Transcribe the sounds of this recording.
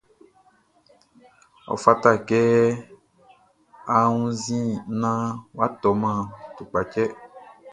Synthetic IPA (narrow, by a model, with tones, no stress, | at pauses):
ɔ̰˨fa˦t̪a˦˨kɛ˦ | a˨ŋũ˦zĩ˦nã˦wa˦t̪ɔ˨mã˦t̪u˨k͡pa˨t͡ʃɛ˦